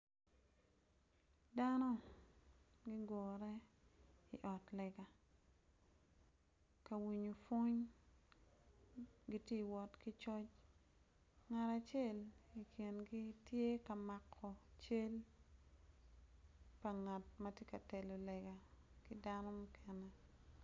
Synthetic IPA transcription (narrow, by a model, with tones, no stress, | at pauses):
da˦nɔ˦ | ɡi˦ɡɔ˨ɾɛ˦ | ḭ˨ʔɔ˨tlɛ˨ɡa˨ | ka˨wi˨ɲo˨fo˦ɲ | ɡi˦tje˦i˨wɔ˨tki˦t͡ʃɔ˦t͡ʃ | ŋa˨ta˨t͡ʃe˦˨li˨kʰji˨nɡi˦tje˦ka˨ma˨kʰːɔ˨t͡ʃe˦l | pa˨ŋa˨tmɐ˦tje˦ka˨tɛ˨lo˨lɛ˨ɡa˨ | ki˦da˦nɔ˦mʊ˦kʰɛ˨nɛ˨